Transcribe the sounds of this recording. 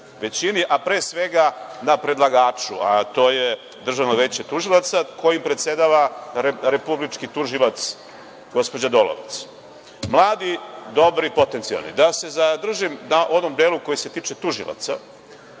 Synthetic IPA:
ʋe̞t͡ɕiniʔapɾe̞ːsʋe̞ɡanapɾe̞d̪lˠaɡaːt͡ʃṵat̪o̞ːje | d̪r̩ʒaʋnoʋeːt͡ɕet̪uʒilˠat̪sakʰo̞jimpɾet̪se̞d̪aʋaɾeɾe̞publit͡ʃkit̪uʒilat̪s | ɡo̞spo̞d͡ʑad̪o̞lo̰ʋḛt̪s | mlˠaːd̪id̪o̞bɾipo̞t̪ent̪sia̰lˠnḭd̪ase̞zad̪r̩ʒimnaʔo̞nomd̪eːluko̞jise̞t̪iːt͡ʂe̞t̪uʒḭlˠa̰t̪sa

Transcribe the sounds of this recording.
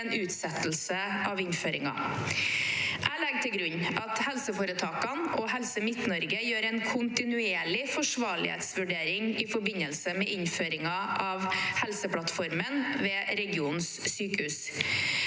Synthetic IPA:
nʉːt̪sɛt̪l̩səʔɑʋɪnføːɾɪŋɑ̰ | ʔælɛɡ̚t̪ʰɪlɡɾʉɲːʔɑt̪hɛlsəfoːɾət̪ʰɑːkɑnɔɦɛlsəmɪt̪nɔɾɡəjøːɾɛɪnkʰʊnt̪ɪnʉeːɭɪfɔʂʋɑːɭɪ̰hḛːt̪sʋʉɖeːɾɪŋɪfɔɾbɪnəlsəmɛːɪnføːɾɪŋɑʔɑʋhɛlsəpʰlɑt̪fɔɾmənʋeːɾɛɡɪuːnssyːkəhʉːs

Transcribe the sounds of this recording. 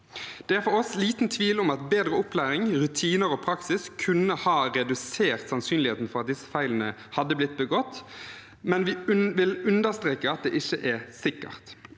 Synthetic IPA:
d̪̥ɛæɾfɔɾɔsliːt̪nt̪ʰʋiːlʊmɑt̪beːd̪ɾəʊplæːɾɪŋʁʉt̪ʰiːnəɾoːpʰɾɑksɪskʰʉnəhɑːʁɛd̪ʉseːʁt̪sɑnsyːnlɪheːt̪n̩fɔʁɑt̪̚d̪ɪsə̥fæɪlənəhɑd̪ːəblɪt̪̚ːbəɡɔt̪ː | mɛnʋɪʋɪlʉnd̪əʁst̪ʁeːkəɑt̪̚d̪ḛːʔɪçːəʔɛsɪkːə̰ʁt̪

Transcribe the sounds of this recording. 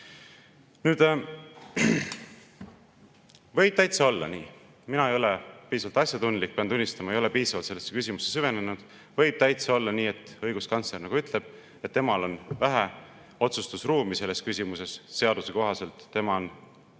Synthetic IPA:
nyːd̪̥ | vɤ̞jb̥̚t̪æjt̪seo̞lːɑ̰niː | minɑe̞jo̞lepiːsɑvɑlt̪ɑsʲjɑt̪und̪lik̚ːpeɑnd̪unːist̪ɑmɑejo̞le̞piːsɑvɑlt̪selːsːekysʲimusesyve̞nenud̪̥ | vɤ̞jb̥t̪æjt̪seo̞lːɑniːe̞t̪ːˑɤjɡuskɑnsle̞rnɑɡuyt̪ʰˑle̞b̥̚ | et̪ːe̞mɑlo̞nvæɦæ | o̞t̪sust̪usruːmise̞lːe̞skysʲimuse̞sse̞ɑd̪̥use̞ko̞ɦɑse̞lt̪ːe̞mɑon

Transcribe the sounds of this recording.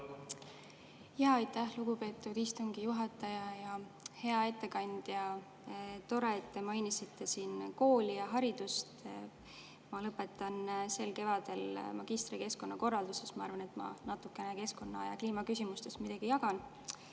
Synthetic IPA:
jjɑːjt̪ːæhluɡupe̞ːt̪ːˑud̪̥ist̪uŋɡ̥ijuɦɑt̪ːˑɑjɑjɑ | he̞ɑe̞t̪ːe̞kɑnd̪̥jɑ | t̪o̞ɾeet̪ːe̞mɑjnisit̪ːe̞siːnko̞ːlʲijɑɦɑɾid̪̥ust̪ | mɑlɤpːˑe̞t̪ːˑɑnse̞lke̞vɑd̪̥e̞lmɑɡ̥ist̪ɾike̞sko̞nːɑko̞rːɑld̪usesmɑɑɾvɑne̞t̪mɑ̰nɑt̪ːˑukːˑe̞ne̞ke̞sko̞nːɑɑ̰jɑ̰kliːmɑkysʲimust̪e̞smid̪ɑɡ̥ijɑɡɑn

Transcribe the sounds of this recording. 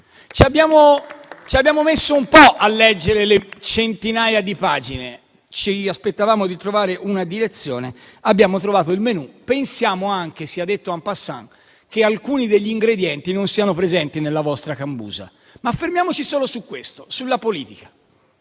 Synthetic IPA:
t͡ʃiabːjaːmot͡ʃiabjaːmomesːoumpɔʔalːɛd͡ʒːeɾelet͡ʃent̪inaːjad̪ipaːd͡ʒine | t͡ʃiaspet̪ːavaːmod̪it̪ɾovaːɾeʔunad̪iɾet̪sːjoːneabːjaːmot̪ɾovaːt̪oilmenupensjaːmoaŋk̟esiad̪ːet̪ːoampasːa̰ŋ | kealkuːnid̪eʎːiːŋɡɾed̪jɛnt̪inonsiːanopɾezɛnt̪inelːavɔst̪ɾakambṵːza̰ | maːfːeɾmjaːmot͡ʃisoːlosukːwest̪o̥sulːapoliːt̪ikḁ

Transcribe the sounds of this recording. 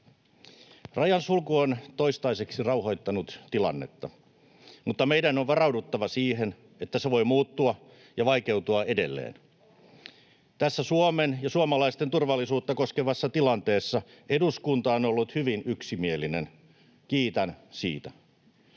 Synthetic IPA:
rɑjɑnsulkuont̪o̞ist̪ɑiseksirɑuɦojt̪ːɑnut̪t̪ilɑ̰nːe̞̰t̪ːɑ | mut̪ːɑmeidænoʋʋɑrɑwdut̪ːɑʋɑsiːɦen | et̪ːæseʋojmuːt̪ːuɑ | jɑʋɑike̞ut̪uɑede̞̰lːḛːn | t̪æsːæsuomenjɑsuomɑlɑist̪ent̪urʋɑlːisuːt̪ːɑkoskeʋɑsːɑt̪ilɑnt̪e̞ːsːɑ | eduskunt̪ɑonolːut̪hyʋinyksimielinen | kiːt̪ɑnsḭːt̪æ

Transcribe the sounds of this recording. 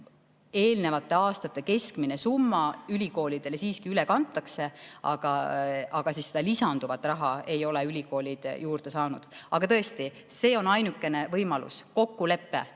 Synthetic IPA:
e̞ːlne̞vɑt̪ːˑe̞ɑːst̪ɑt̪ːe̞ke̞skmine̞sumːɑylʲiko̞ːlid̪̥e̞lesiːskiylekɑnt̪ːˑɑkse̞ɑ̰ɡ̥ɑʔɑɡ̥ɑsiːsːed̪̥ɑlisɑnd̪uvɑt̪ːˑrɑɦɑe̞jo̞leylʲiko̞ːlʲid̪̥jʔuːrd̪̥e̞sɑːnud̪̥ɑɡ̥ɑt̪ɤ̞e̞st̪i | se̞ːo̞nɑjnukːˑe̞ne̞vɤjmɑlṵsko̞kːule̞pːe̞̰

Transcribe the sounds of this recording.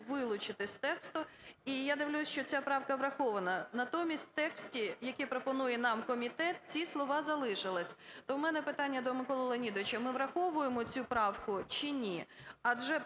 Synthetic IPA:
ʋɪlˠʊt͡ʃɪt̪ɪsʲt̪ɛkst̪ʊ | ijad̪ɪʋlʲusʲʃt͡ʃɔt͡sʲapɾɑwkɐʋɾɐxɔʋɐnɐnɐt̪ɔmʲisʲtʲt̪ɛksʲtʲijɐkɛpɾɔpɔnujɛnɑmkɔmʲit̪ɛt̪̚t͡sʲislˠɔʋɑzɐlˠɪʃɪlˠɪsʲt̪ɔwmɛnɛpɪt̪ɑnʲːɐd̪ɔmɪkɔlˠɔlˠɐnʲid̪ɔʋɪt͡ʃɐmɪʋɾɐxɔʋʊjemɔt͡sʲupɾɑwkʊt͡ʃinʲiɐʒɛ

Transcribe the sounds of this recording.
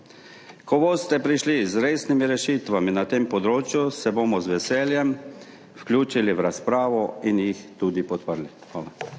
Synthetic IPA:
kɔbost̪ɛpɾiʃlizɾeːsnimiɾɛʃit̪ʋaminat̪eːmpɔd̪ɾoːt͡ʃjusɛboːmɔzʋɛsɛːljɛm | fklʲjuːt͡ʃiliʋɾaspɾaːʋɔinjixt̪uːd̪ipɔt̪pəɾlixʋaːla

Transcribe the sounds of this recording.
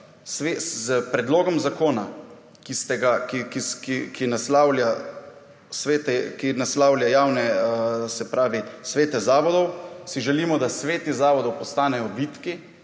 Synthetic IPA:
sʋezpɾɛd̪loːɡɔmzakoːna̰ | kist̪ɛɡakikikikʰinaslaːwlja | sʋeːt̪ɛkinaslaːwljajaːwnɛsɛpɾaːʋisʋeːt̪ɛzaːʋɔd̪ɔwsiʒɛliːmɔd̪asʋeːt̪izaːʋɔd̪ɔwpɔst̪aːnɛjɔbiːt̪ki

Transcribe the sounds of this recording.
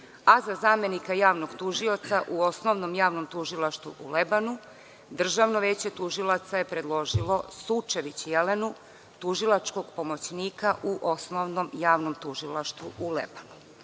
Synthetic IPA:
azazaːme̞nikajaːʋnoɡt̪uʒio̞t̪saʔuo̞snoʋnomjaːʋno̞mt̪uʒilˠaʃt̪vuʔulebanu | d̪r̩ʒaʋno̞ʋeːt͡ɕe̞t̪uʒilˠat̪saje̞pɾe̞d̪lˠo̞ʒilˠo̞sut͡ʃeʋit͡ɕjele̞nu | t̪uʒilˠat͡ʃko̞ɡpo̞mo̞t͡ɕniːkaʔuʔo̞snoʋnomjaːʋnomt̪uʒilˠaʃt̪ʋuʔulḛbanu

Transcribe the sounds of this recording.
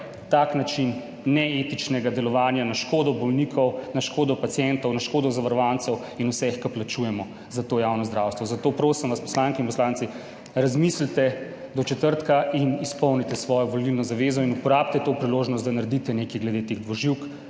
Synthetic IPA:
t̪aknat͡ʃinː | ɛet̪it͡ʃnɛɡad̪ɛlɔʋaːnjanaʃkoːd̪ɔbɔlnikʰɔwnaʃkoːd̪ɔpat̪sjɛnt̪ɔwnaʃkoːd̪ɔzaʋaɾɔʋansɛw | inusɛxkaplat͡ʃujɛmɔ | zat̪oːjawnɔzd̪ɾawst̪ʋɔzat̪oːpɾoːsimʋaspɔ̥slaŋkɛinpɔslaːntsi | ɾazmislt̪ɛ | d̪ɔt͡ʃɛt̪əɾt̪kaʔinispɔwnit̪ɛsʋɔːjɔʋɔlilnɔzaʋezɔinupɔɾaːb̚t̪ɛt̪oːpɾiloːʒnɔst̪d̪anaɾed̪it̪ɛnekiɡlɛd̪et̪eɣd̪ʋɔʒiwk

